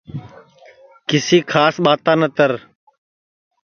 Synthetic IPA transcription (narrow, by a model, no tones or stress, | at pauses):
kɪsiːkʰaːsɓaːt̪aːnət̪əɾ